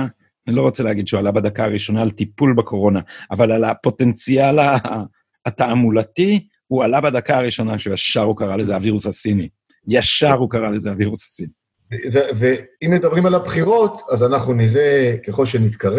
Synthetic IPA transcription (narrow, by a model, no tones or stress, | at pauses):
anilo̞ʁot͡seleaɡid̪ʃeualabad̪akaːʁiʃo̞naːltipulbekʰo̞ʁo̞naʔavalalapo̞te̞nt͡sialaː | t̪aamulati | ualabad̪akaːʁiʃo̞naʃejaʃaʁukaʁalezeaviʁusasini | jaʃaʁukaʁale̞zeaviʁusḁsini | eveveimːed̪abʁimalabχiʁo̞t̪azanaχnuniʁekeχo̞lʃenit̪kaʁ